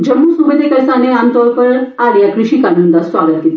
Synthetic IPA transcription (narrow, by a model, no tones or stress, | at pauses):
d͡ʑəmːuːsuʋid̪ʱekəɾsaneãnt̪ɔɾkəɾaljakɾuɕikanund̪asʋaɡət̪̚ɡit̪